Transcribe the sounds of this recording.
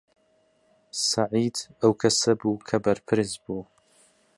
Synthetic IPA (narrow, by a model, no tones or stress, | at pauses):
saʕiːd̪ɐwkʰɐsɐbuːkʰɐbɐɾpʰɨɾzbuː